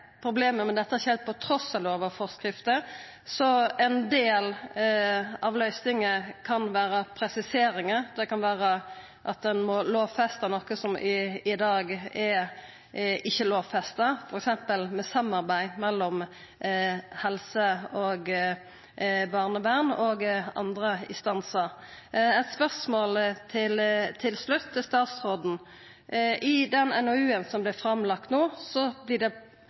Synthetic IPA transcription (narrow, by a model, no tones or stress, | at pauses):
pʰɾʊbleːməmɛnd̪ɛt̪ːəæɾɪçəhɛlt̪̚pʰɔt̪ʰɾɔsːɑloːʋɑʋfɔʁskɾɪft̪ə | sɔɛnd̪eːl | ɑʋlœʏsnɪŋəkʰɑnʋæːɾəpʰɾɛsɪseːɾɪŋəd̪ɛkɑnʋæːɾə | ʔɑt̪̚d̪ɛnmɔloːʋfɛst̪ənɔkːəsɔmɪɪd̪ɑːɡɛ | ɪçːəloːʋfɛst̪əfɔɾɛksɛmpəlmɛsɑmɑʁbæɪmɛlːɔm | hɛlsəɔɡ | bɑʁnəbæʁnɔɡɑ̰nd̪ɾəɪ̰nst̪ɑnsəʁ | ɛɪt̪spœʁsmoːlt̪ʰɪlt̪ʰɪlslʉt̪ʰːɪlst̪ɑːt̪sʁoːd̪n̩ | ɪd̪ɛnɛnɔʉːənsɔmblɪfɾɑmlɑk̚t̪noːsɔblɪd̪ɛ